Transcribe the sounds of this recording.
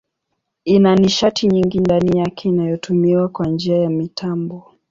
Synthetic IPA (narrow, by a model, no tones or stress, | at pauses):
inaniʃatʰiɲiŋɡindanijakʰɛinajɔtʰumiwakwand͡ʒiajamitʰambɔ